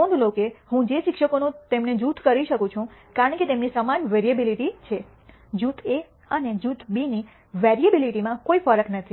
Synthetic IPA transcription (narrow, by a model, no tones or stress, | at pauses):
õnd̪ʱlokehũd͡ʒeʃɪkʃəkonũt̪emned͡ʒut̪ʰkəɾiʃəkũt͡ʃʰũkaɾəɳket̪emnisəmanʋeɾiəbiliʈit͡ʃʰe | d͡ʒut̪ʰe | əned͡ʒut̪ʰbini | ʋɛɾiəbiliʈimãkoifəɾəknət̪ʰi